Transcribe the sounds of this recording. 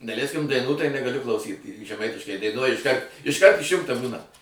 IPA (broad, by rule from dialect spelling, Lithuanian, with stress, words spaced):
dɐˈlʲæɪsʲkʲɪm dɐɪˈnuː tɐɪ nʲɛɡɐˈlʲʊ klˠɐʊˈsʲiːt ʒʲɛˈmɐɪtʲɪʃkɐɪ dɐɪˈnuɔj ɪʃˈkɐrt ɪʃˈkɐrt ɪʃʲˈjʊŋktɐ ˈbuːnɐ